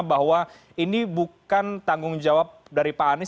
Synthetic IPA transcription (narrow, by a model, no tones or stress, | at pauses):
bahwa | inibukant̪aŋɡʊŋd͡ʒawap̚daɾipanɪ